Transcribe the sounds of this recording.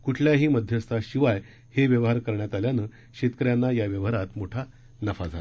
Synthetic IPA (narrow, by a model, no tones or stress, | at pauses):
kuʈʰljaɦiːməd̪ʱjəst̪ʰaɕiʋaj | heʋjəʋɦaɾkəɾɳjat̪aljanəː | ɕet̪kəɾjanːajaʋjəʋɦəɾat̪moʈʰa | nəfad͡zʱat̪